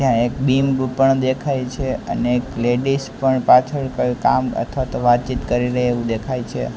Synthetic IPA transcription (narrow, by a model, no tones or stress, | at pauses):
d͡ʒjãekbimbpəɳd̪ekʰajt͡ʃʰeə̰neːkleɖispəɳpat͡ʃʰəɭkəkamə̰t̪ʰʋat̪oʋat̪̚t͡ʃit̪kəɾiɾəɦeʋũd̪ekʰajt͡ʃʰḛ